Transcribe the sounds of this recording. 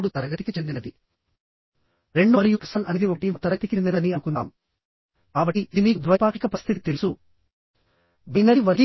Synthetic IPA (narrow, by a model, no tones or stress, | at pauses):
ɽut̪ɐɾɐɡɐt̪ikit͡ʃend̪inɐd̪i | ɾe̞ɳɖɐɾijukɐ̥sɐnʔɐnid̪iokɐʈit̪ɐɾɐt̪ikinniɾɐniɐnukund̪a̰ːm | kaːbɐʈːid̪iːnid̪ʋɐpaːʈikɐpɐst̪ʰit̪it̪e̞lusu | binɐɽiʋɐɾɡi